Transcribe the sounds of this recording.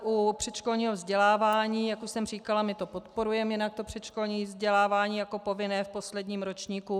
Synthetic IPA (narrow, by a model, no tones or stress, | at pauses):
ʔupr̝̥ɛt̪t͡ʃko̞lɲiːɦovzɟɛlaːvaːɲiːjakuʃsɛmriːkalamɪt̪o̞po̞t̪po̞ɾujɛmjɪnak̚t̪o̞pr̝̥ɛt̪t͡ʃko̞lɲiːvzɟɛlaːvaːɲiːjako̞po̞vɪnɛːfpo̞slɛdɲiːmɾo̞t͡ʃɲiːku